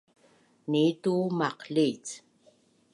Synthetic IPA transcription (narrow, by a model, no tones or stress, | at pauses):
nit̪umɑqɬiːt͡s